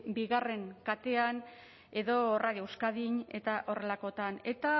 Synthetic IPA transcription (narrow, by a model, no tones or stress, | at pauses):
biɣare̞ŋkat̪e̞an | e̞ðo̞raðjowskaðiɲe̞t̪aʔo̞re̞lako̞t̪ane̞t̪a